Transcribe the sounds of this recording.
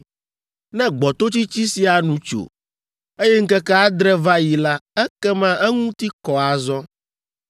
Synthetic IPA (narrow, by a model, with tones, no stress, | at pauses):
nɛ̃˦ɡ͡bɔ˨t̪o˦t͡ɕi˦t͡ɕi˦si˨a˨nũ˨t͡ʃo̰˨ | e˦jɛ˦ŋ̩˦kɛ˦kɛ˦a˦d̪ɾɛ˦va˦ji˨la˦ɛ˦kɛ˦mã˦ʔɛ˦ŋũ˦t̪i˦kɔ˨a˨zɔ˦